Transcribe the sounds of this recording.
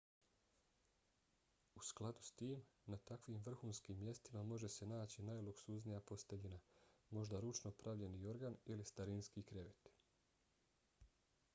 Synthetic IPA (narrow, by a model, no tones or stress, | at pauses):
usklˠad̪u̥st̪iːmnat̪akʋimʋr̩xuːnskiːmːje̞st̪imamo̞ʒe̞se̞naːt͡ɕinajlˠuksuznijapo̞st̪eʎinamo̞ʒd̪aɾut͡ʃno̞pɾaʋʎe̞nio̞ɾɡanilist̪aɾinskikɾʲeʋet̪